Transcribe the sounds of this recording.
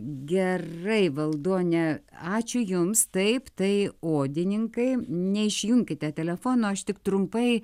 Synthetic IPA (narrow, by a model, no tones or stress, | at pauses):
ɡʲɛrɐɪʋɐlˠd̪uɔnʲɛɑːt͡ʃʲʊjʊmst̪ɐɪpt̪ɐɪoːd̪ʲɪnʲɪŋkɐɪnʲɛɪʃʲjʊŋʲkʲɪt̪ʲɛt̪ʲɛlʲɛfoːnoːɐʃt̪ʲɪkt̪ɾʊmpɐɪ